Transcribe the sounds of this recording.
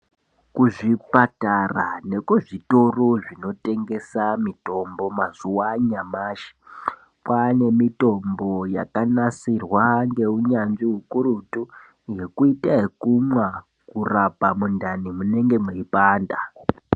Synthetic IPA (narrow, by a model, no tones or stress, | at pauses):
kuʐipatara̰ne̞kuʐito̞roʐino̞te̞ŋɡe̞samito̞mbo̞mazuwaɲamaːʃi̥ | pwane̞mito̞mbo̞ja̰kanasirwaŋɡe̞uɲanʐiɦukuɾutu | je̞kuitaekumwa | kurapamundʱanimune̞ŋɡe̞mweipaːnda